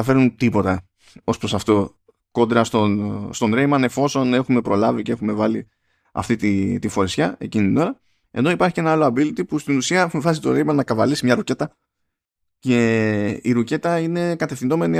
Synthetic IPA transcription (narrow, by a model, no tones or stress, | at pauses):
ɐfe̞ɾunt̪ipo̞t̪ɐ | o̞spɾo̞sɐft̪o̞ | ko̞d̪ɾɐst̪o̞nst̪o̞nɾe̞jmɐne̞fo̞so̞ne̞xume̞pɾo̞lɐvice̞e̞xume̞vɐli | ɐ̰ft̪it̪it̪ifo̞ɾisçɐe̞cinit̪ino̞ɾɐ | e̞̰no̞ipɐɾçi̥ce̞nɐɐloɐbilit̪ipust̪inusiɐexumevɐsit̪oɾe̞jmɐnnɐkɐvɐlisimɲɐɾuce̞t̪ɐ | ce̞iɾuce̞t̪ɐine̞kɐt̪e̞fθindo̞me̞ni